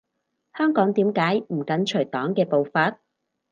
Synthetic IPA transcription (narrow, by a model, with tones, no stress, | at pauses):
hœː˥ŋkɔː˨˥ŋt̪iː˨˥mkaː˨˥jm̩˨˩kɐ˨˥nt͡ʃʰɵ˨˩jt̪ɔː˨˥ŋkɛː˧po˨˧wfɐ˨˧˥t̚